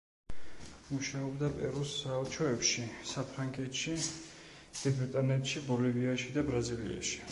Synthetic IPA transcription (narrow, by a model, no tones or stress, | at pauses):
muʃaɔbd̪apʼɛɾusaɔt͡ʃʰɔɛpʃisapʰɾaŋɡʼɛt̪ʃi | d̪̥ibɾit̪ʼanɛt̪ʃibɔliviaʃid̪abɾazilḭa̰ʃi̥